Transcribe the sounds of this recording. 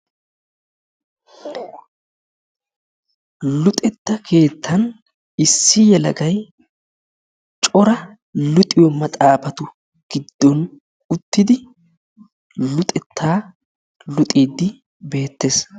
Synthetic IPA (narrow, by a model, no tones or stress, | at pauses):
lʊt̪ʼɛt̪ːɐkʰe̞ːt̪ʰːɐn | ɪsːɪjɛlɐɡɐj | t͡ʃʼɔɾɐ | lʊt̪ʼɪjɔmɐt̪ʼaːpɐt̪ʊ | ɡ̥ɪd̪ːɔn | ʊt̪ːɪd̪ɪ | lʊt̪ʼɛt̪ːaː | lʊt̪ʼiːd̪ːɪ | be̞ːt̪ːe̞ːs